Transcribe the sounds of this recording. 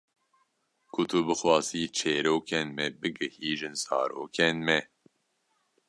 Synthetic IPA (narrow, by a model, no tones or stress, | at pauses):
kʰʊt̪ʰubɨxwɑːziːt͡ʃʰeːɾoːkʰɛnmɛbɨɡɨhiːʒɨnzɑ̰ːɾo̰ːkʰɛnmɛ